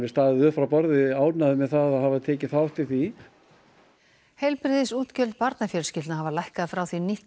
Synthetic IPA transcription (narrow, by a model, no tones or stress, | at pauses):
ɪst̪aːðɪðʏfɾawpɔɾðɪaːwt̪naðɪmɛðθaðaðhavaðt̪ʰɛːcɪθaawht̪ɪθi | hejlpɾɪðɪsuːt̪cœlt̪̚paɾt̪nafjɛɾʏ̥ɾscɪlt̪nahavalajhkaðfɾawθinih